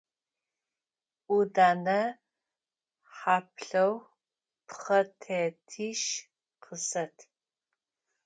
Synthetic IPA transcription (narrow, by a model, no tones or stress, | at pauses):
ʔudaːnɐ | ħaːpɬɐw | pχɐtʰeːtʰiːʃ | qʰəsɐtʰ